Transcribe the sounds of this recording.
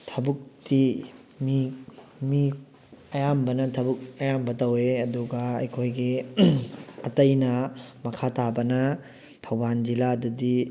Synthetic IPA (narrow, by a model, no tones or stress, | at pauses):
tʰɐbuk̚ti | mi | mi | ɐjambɐnɐtʰɐbuk̚ɐjambɐtɐweɐduɡɐɐ̰jkʰojɡi | ɐtɐjnɐmɐkʰatabɐnɐ | tʰɐwband͡ʒiladɐdi